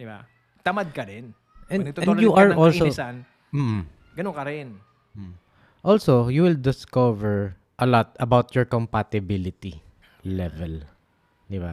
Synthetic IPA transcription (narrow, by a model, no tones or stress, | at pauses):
dba | t̪ɐmad̪̚kɐɾɛn | ɛ̃nɐɡ̪̚oɛ̃juʔaɹʔɔlsosan | m̩ːʔ̩ | ɡɐnoŋkɐɾɪn̩ | ʔɔlsojuwɪld̪ɪskɔvɛɹ | ʔɐlɔt̪̚ɐbawt̪jɔɹkɔmpat̪ɪbɪlɪt̪iː | ɛvɛl | d̪ɪba